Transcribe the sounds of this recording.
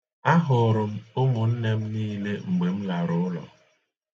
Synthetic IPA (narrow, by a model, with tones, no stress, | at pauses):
a˦ɦʊ˨ɾʊ˨m̩˦ʊ˦mʊ˨n̩˦ne˦m̩˦niː˦le˦ŋ͡m̩˨ɡ͡be˨m̩˦la˨ɾʊ˨˦ʊ˦lɔ̰˨